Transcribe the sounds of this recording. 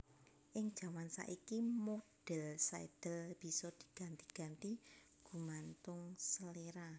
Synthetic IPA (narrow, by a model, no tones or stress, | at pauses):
ʔɪŋd̥ʒ̥a̤mansa̰ʔikimoɖ̥ɛlsaed̪̥ɛ̤lb̥i̤sɔd̪̥i̥̤ɡ̥a̤nt̪iɡ̥a̤nt̪i | ɡ̥ṳmant̪ʊŋsəleɾa